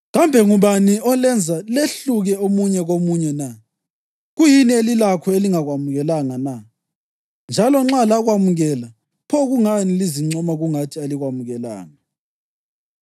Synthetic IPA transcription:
ɣambʱɛŋuβaniɔlɛnd͡zʱaleɬuɣɛomuɲɛɣomuɲɛna | ɣujinielilakʰɔeliŋaɣwamuɣɛlaŋana | nd͡ʒʱalɔŋ͡ǁalaɣwamuɣɛla | pʰɔɣuŋaniliziŋ͡ǀʱɔmaɣuŋatʰialiɣwamuɣɛla̰ːŋa

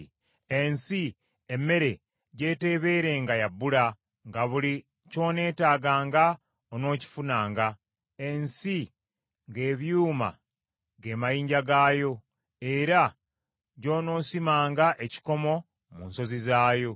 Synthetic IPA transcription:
ensi | emːe̞ɾe̞ | ɟe̞ːte̞βe̞ːɾe̞ŋɡajabːula | ŋɡaβuli | co̞ːne̞ːtaːɡaːŋɡa | ono̞ːci̥funaːŋɡa | e̞nsi | ŋɡe̞ːβjuːma̰ | ɡe̞majiːɲɟaɡaːjo̞ | eɾa | ɟo̞ːno̞ːsimaːŋɡaʔe̞ci̥ko̞mo̞ | muːnso̞zizaːjo̞

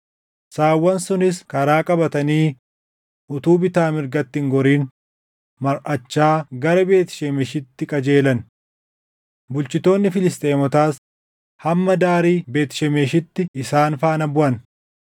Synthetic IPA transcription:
saːwːɐnsʊnɪskɐɾaːkʼɐbɐt̪ɐniː | ʔʊt̪uːbɪt̪aːmɪɾɡɐt̪ːɪŋɡɔɾiːn | mɐɾʔɐt͡ʃːaːɡɐɾɐbe̞ːt̪ɪ̥ʃɛmeʃɪt̪ːɪkʼɐd͡ʒe̞ːlɐn | bʊlt͡ʃɪt̪o̞ːnːɪfɪlɪst̪ʼeːmɔt̪aːs | hɐmːɐd̪aːɾiːbe̞ːt̪ɪ̥ʃɛmeːʃɪt̪ːɪɪsaːnfaːnɐbʊʔɐn

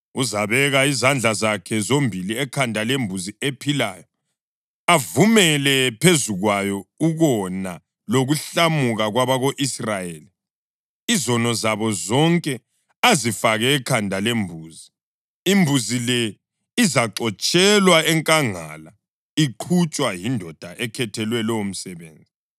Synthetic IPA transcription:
uzaβɛɣaizand͡ɮʱazakʰɛzombʱiliɛkʰandʱalembʱuziepʰila̰ːjɔ | avumɛlɛpʰezuɣwajɔuɣɔna | loɣuɬamuɣaɣwaβaɣoʔisrajeːli | izɔnɔzaβɔzɔŋkʼɛ | azifaɣɛːkʰandʱalembʱuːzi | imbʱuzilɛ | izaǁɔt͡ʃʼɛlwaɛŋkʼaŋa̰la | iǃʰut͡ʃʼwajindʱɔd̥ʱaʔɛkʰɛtʰɛlwɛlɔom̩sɛβḛːnd͡zʱi

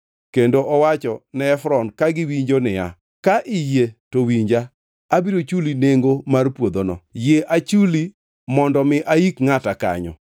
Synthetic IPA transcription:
kendoʔɔwat͡ʃɔnɛːfɾɔnkaɡɪwiɲd͡ʒonɪja̰ | kaʔɪjetowiɲd͡ʒaː | biɾot͡ʃulineŋɡomarpwod̪onɔ̰jeʔat͡ʃuli | mɔndɔmɪʔaikŋataka̰ɲɔ̰

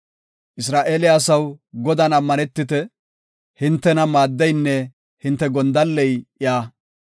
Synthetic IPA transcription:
ʔɪs̬ɾaːʔeːlɪɐsɐwɡɔd̪ɐnɐmːɐnɛt̪ːɪt̪ɛ | hɪnt̪ːɛnɐmaːd̪ːɛjnːɛ | hɪnt̪ːɛɡɔnd̪ɐlːɛjʔɪaː

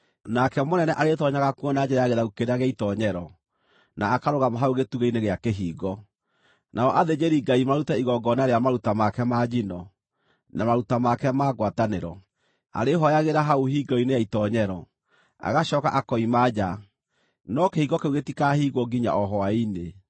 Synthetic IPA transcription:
nakɛmonɛnɛʔaɾetɔɲaɣakwɔnad͡ʒɛɾajaɣeɾaukeɾeaɣɛitɔɲɛɾɔ | naːkaɾoɣamaɦaoɣetuɣeineɣeakeɦiːɡɔ | nʔaɔʔaðed͡ʑeɾiɡaimaɾutɛiɣɔɡɔnaɾeamaɾutamakɛmad͡ʑinɔ | namaɾutamakɛmaːɡwataneɾɔ | a̰ɾeɦɔjaɣeɾaɦauɦiɡɔinejaitɔɲɛɾɔ | a̰ɣaɕɔkaʔakɔimad͡ʒa | nɔkehiɡɔkeuɣetikahiːɣɔɡiɲa̰ʔɔɦɔwaine

